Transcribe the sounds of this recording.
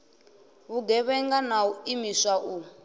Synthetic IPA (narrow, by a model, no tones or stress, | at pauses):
βuɡɛβɛŋɡanauimisaʔu